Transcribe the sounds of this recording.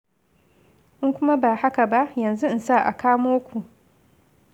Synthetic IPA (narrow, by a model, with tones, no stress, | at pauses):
ʔʊ˦ŋkʷʊ˦ma˦baː˨ha˦ka˨ba˦ʔjɐ˨nzu˦ʔɪ˦˨nsa˦˨ʔa̰˨kaː˦moː˦kʷu˨